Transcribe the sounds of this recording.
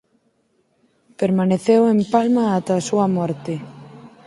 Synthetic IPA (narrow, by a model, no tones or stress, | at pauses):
peɾmaneθewempalmaat̪aːsuɐmɔɾt̪e